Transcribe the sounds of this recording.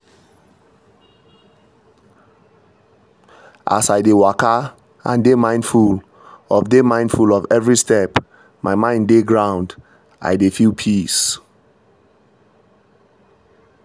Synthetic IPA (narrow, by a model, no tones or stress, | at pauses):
ʔa̰saɪdewaka | ã̰ndemãɪ̃ndful | ɔfdemãɪ̃ndfulɔvɛvɹistɛp | mʔaɪmãɪ̃ndeɡɹãʊ̃nd | a̰jdefilpʰis